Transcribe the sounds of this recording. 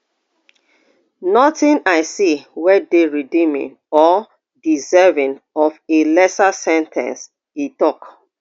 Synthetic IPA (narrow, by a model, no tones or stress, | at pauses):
nɔtĩnaɪsiwɛdeɹidĩmḭ̃n | ɔ | dizɛvĩnɔfelɛsasɛ̃ntʰɛ̰̃ns | itɔk